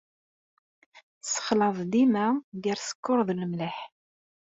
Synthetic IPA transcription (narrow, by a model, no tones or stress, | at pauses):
sə̥χlɑðˤd̪imæɡəɾsə̥kːoɾˤðˤləmləħ